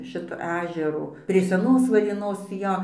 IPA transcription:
ˈʃʲɪtoː ˈæːʒʲɛroː pʲrʲiɛ sʲɛˈnoːs ʋɐrʲeːˈnoːs ˈjoː

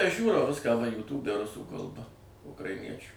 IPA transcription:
ɐʃ ˈʒʲuːrɐʊ ˈʋʲɪskɑː ʋɐ juːˈtuːbʲɛ ˈrʊsuː kɐlˠˈbɐ ʊkrɐɪˈnʲiɛt͡ʃʲʊ

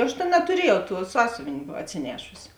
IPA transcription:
ˈɐʃ tʲeːn nɐtʊˈrʲiɛjɛʊ tuɔ ˈsɑːsʲʊʋʲeːnʲ ɐtʲsʲɪˈnʲæːʃʊsʲɪ

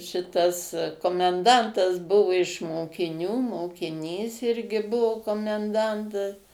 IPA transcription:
ʃʲɪˈtɐs koːmʲɛnˈdɐntɐs ˈbʊʋʊ ɪʃ moːkʲɪˈnʲuː moːkʲɪˈnʲiːs ˈɪrʲɡʲɪ ˈbʊʊ koːmʲɛnˈdɐntɐs

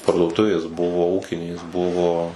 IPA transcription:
pɐrduɔˈtʊʋʲeːs ˈbʊʋoː ˈuːkʲɪnʲeːs ˈbʊʋoː

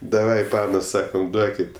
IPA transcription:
dɐˈʋɐɪ ˈpɑːnoːs ˈsɑːkɐm ˈduɔkʲɪt

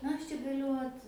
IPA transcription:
nɐ ˈɐʃ t͡ʃʲɛ ɡɐˈlʲʊ ˈoːt

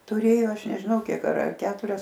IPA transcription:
tʊˈrʲeːjoː ˈɐʃ nʲɛʒʲɪˈnɐʊ ˈkʲiɛk ɐr ɐr ˈkʲæːtʊrʲɛs

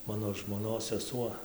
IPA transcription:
ˈmɑːnoː ʒmoːˈnoːs sʲɛˈsuɔ

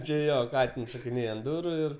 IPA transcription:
ˈt͡ʃʲɪ ˈjoː ˈkɑːtʲɪns ʃoːkʲɪˈnʲeːj ɐnt ˈdʊrʊ ˈɪr

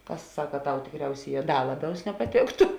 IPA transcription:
ˈkɐs ˈsɑːkɐ ˈtɐʊ tʲɪkˈrʲɛʊsʲeːˌjɛː ˈdɐ ˈlˠɑːˌbʲɛʊs nʲɛpɐˈtʲeːktʊ

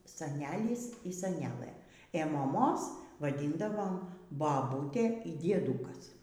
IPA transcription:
sɐˈnʲæːlʲɪs iː sɐˈnʲæːlˠɘ eː moːˈmoːs ʋɐˈdʲiːndɐʋoːm bɐˈbuːtʲeː iː dʲiɛˈduːkɐs

